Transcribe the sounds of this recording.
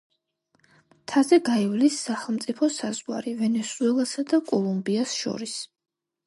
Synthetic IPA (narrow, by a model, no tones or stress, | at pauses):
t̪ʰazɛɡaivlisːaχɛlˠmt̪sʼipʰɔsazwaɾivɛnɛsuɛlˠasad̪akʼɔlˠumbiasʃɔ̰ɾis